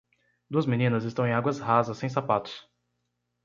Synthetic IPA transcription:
d̪uɐzmĩnĩnɐzɪst̪ɐ̃w̃ẽaɡwɐzhazɐsːẽj̃s̬apat̪ʊ̥s

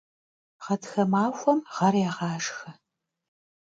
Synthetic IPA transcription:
ʁɐtxɐmaːxʷɔmʁɐrjɛʁɑːʂxɐ

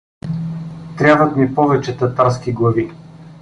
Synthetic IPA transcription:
t̪ɾʲavət̪mipɔvɛt͡ʃɛt̪ɐt̪aɾskiɡlˠɐvi

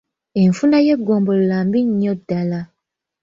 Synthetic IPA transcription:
eɱfunajeɡombollambiɲɔdala

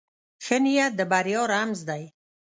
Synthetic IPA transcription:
xənijad̪əbaɾjɑːɾamzd̪aj

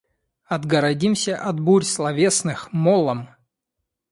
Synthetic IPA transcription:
ɐd̪ɡɐɾɐdʲimsʲəʔɐd̪buɾʲslˠɐvʲesnɨxmolˠəm

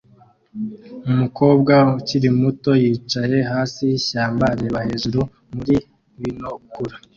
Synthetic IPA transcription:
umuko̞ːbɡauciɾimuto̞jiːt͡ʃaje̞ɦaːsiɕaːmbaɾe̞βahe̞ːʒuɾu | muɾi | winokuɾa

